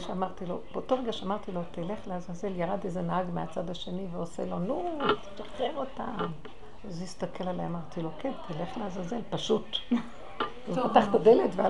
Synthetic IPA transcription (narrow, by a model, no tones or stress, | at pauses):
ʃeamaʁt̪ilo̞b̥eoto̞ʁeɡaʃeamaʁt̪ilo̞t̪ileχleazaze̞ljaʁadejzenahaɡmeat͡sadaʃe̞niveosḛlo̞nutaχteʁo̞tam | azist̪ake̞laleemaʁt̪ilo̞kʰent̪ʰileχleazazelpaʃut | azpat̪aχt̪adeletvea